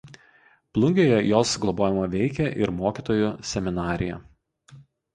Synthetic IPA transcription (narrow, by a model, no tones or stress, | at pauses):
plˠʊŋʲɡʲoːjɛjoːsɡlˠɔboːjɛmɐʋʲɛɪkʲɛʔɪɾmoːkʲiːˑt̪oːjʊsʲɛmʲɪnɑːɾʲɪjɛ̰